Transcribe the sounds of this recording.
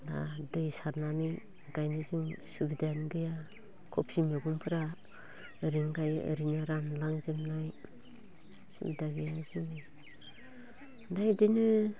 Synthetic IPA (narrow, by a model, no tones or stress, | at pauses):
na̰dɯjsaɾnani | ɡajnɯzɯŋsubidaanɡɯja | kʰɔpsimeɡumpʰɯɾa | ɾiŋɡaj̰ɾinɯɾanlaŋzɯmnaj | sɯ̰bidaɡɯjazɯnɯ | najdinɯ